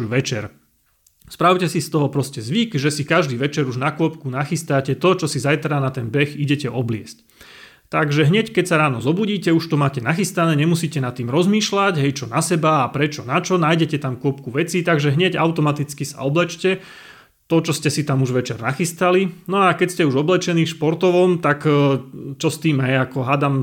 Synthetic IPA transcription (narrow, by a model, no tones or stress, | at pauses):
ʋɛt͡ʃɛ̰ɾ | spɾaʊcɛsist̪ɔɦɔpɾɔscɛzʋikʒɛsikaʒd̪iːʋɛt͡ʃɛɾuʒnakʊɔpkunaxist̪acɛt̪ɔt͡ʃɔsizajt̪ɾanat̪ɛnbɛxiɟɛcɛʔɔblɪɛsc | t̪aɡʒɛɦɲɛckɛcsaɾaːnɔzɔbuɟiːcɛuʃt̪ɔmaːcɛnaxist̪anɛːɲɛmusiːcɛnat̪ːiːmɾɔzmiːʃlaɟɦɛjt͡ʃɔnasɛbaːpɾɛt͡ʃɔnat͡ʃɔnaːjɟɛcɛt̪amkʊɔpkuʋɛt͡sit̪aɡʒɛɦɲɛɟaʊt̪ɔmat̪it͡skisa̰ɔblɛt͡ʃcɛ | t̪ɔt͡ʃɔscɛsit̪amuʒʋɛt͡ʃɛɾnaxist̪alinɔakɛcscɛuʒɔblɛt͡ʃɛniːfʃpɔɾt̪ɔʋɔmt̪ak | t͡ʃɔst̪iːmɦɛjakɔɦad̪am